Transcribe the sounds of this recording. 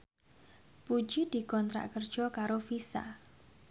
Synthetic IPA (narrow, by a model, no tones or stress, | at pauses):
pud̥ʒ̥id̪̥i̤kɔnt̪ɾa̰ʔkərd̥ʒ̥ɔ̤kaɾofisa̰